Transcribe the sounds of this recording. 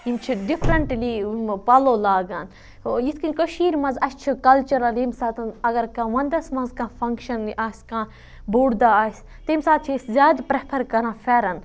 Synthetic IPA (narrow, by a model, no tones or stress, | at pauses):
imt͡ʃʰiɖifʰɾɐɳʈlimpɐlolaːɡan | iskĩnkəʃiːɾmɐ̃nzɐst͡ʃʰikɐlt͡ʃɐɾɐlimsaːt̪ɐnɐɡɐɾkãːʋɐnd̪ɐsmɐ̃nzkãːfʰɐŋkʃɐnliʔaːsʲkãː | buːɽd̪aːaːsʲ | t̪imsaːt̪̚t͡ʃʰiszjaːd̪pɾɛpʰɐɾkɐɾãːfʰɛːɾɐn